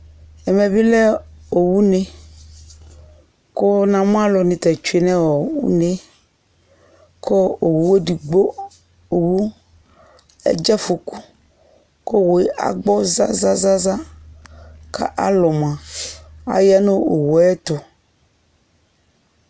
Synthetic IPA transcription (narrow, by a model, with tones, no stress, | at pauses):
ɛ˨mẽ˨vi˦lɛ˦o˨wu˦nẽ˨ | ko˦nã˨m˦ã˦lɔ˨nĩ˨t̪ɛ˨t͡ʃu˦e˨nɛ̃˦wɔ˨wṵ˦ne˨ | kʰo˦o˨wu˨wo˦ɖi˨ɡ͡bo˦ | o˨wu˦ | ɛ̰˦d͡ʒɛ˦fo˨ku˦ | ko˦wo˨˦ʔa̰˨ɡ͡bɔ˦za̰˦za˦za˦za˦ | kʰa̰˦ʔa˦lɔ˨mã˨ | a̰˨ja˦nõ˦o˨wɔ˨ɛ˦t̪o˨